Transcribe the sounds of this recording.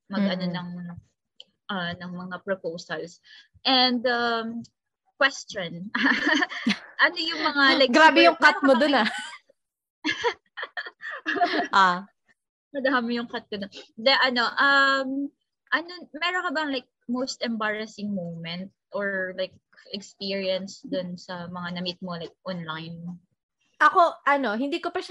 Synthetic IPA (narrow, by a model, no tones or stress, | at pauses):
mɐɡɐnonɐŋ | ʔɐnɐŋmɐŋapɹopowsɐls | ʔɛnd̪ɐm | kwɛst͡ʃɔnʔɐ | ʔɐno̞jʊŋmɐŋalɐɡɡɾaːbɛjʊŋkat̪̚mod̪ona | ʔa | mɐd̪ahamɪjʊŋkat̪̚kod̪od̪ɛʔɐno̞ʔɐm | ʔɐnomɛɾonkɐbɐŋlajk̚mowst̪ɛmbaɹɐsɪŋmomɛnt̪̚ʔoɹlajk̚ | ʔɛkspiɹiɐnsd̪ʊnsɐmɐŋanɐmit̪̚molajk̚ʔɔnlajn | ʔɐkoʔɐnohɪnd̪iːkopɐʃ